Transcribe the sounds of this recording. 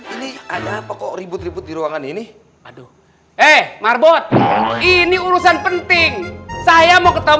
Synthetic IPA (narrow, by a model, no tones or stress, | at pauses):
iniadapakɔɾibʊt̪ribʊt̪̚diɾuaŋanini | ado | ɛhmarbɔt̪̚iniuɾusanpənt̪ɪŋsajamokət̪a